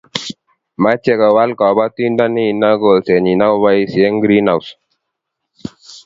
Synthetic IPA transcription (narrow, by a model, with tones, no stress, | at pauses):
ma˦t͡ʃe˦ka˨wa˦lkɔ˨ba˦t̪i˦nda˦ni˦˨na˦ɡo˨lse˨ɲi˨na˦wba˦jsi˨e˦ŋɡɾi˦na˨ws